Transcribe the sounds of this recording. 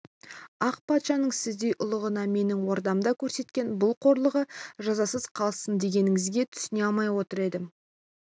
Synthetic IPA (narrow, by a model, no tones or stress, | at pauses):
ɑqpʰɑt̪ʃɑnəɴsɪzd̪e̞jʔʊlˠəʁənɑme̞nɪŋwo̞ɾd̪ɑmd̪ɑkʲʰɵɾse̞t̪kʲe̞nbʊlˠqʰo̞ɾlˠəʁəʒɑzɑsəzqʰɑlˠsənd̪e̞ɡʲe̞nɪŋɪzɡʲe̞t̪ʰʏ̥sɪneɑlˠmɑjwo̞t̪əɾe̞d̪ɪ